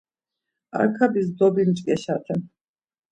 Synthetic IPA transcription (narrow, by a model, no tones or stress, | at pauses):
a̰ɾkʰabis̬d̪ɔbind͡ʒkʼɛʃat̪ʰɛn